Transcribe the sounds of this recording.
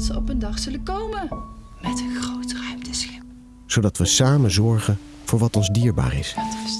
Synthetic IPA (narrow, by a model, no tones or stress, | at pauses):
tsəɔpəndɑχz̥ɵləkowmən | mɛtənxrowtrœɥmtəsxɪp̚ | z̥odɑtʋəsaːmənzɔɹχən | v̥ʊːɹʋɑtɔnzdiːɹba̰ːɹɪ̰s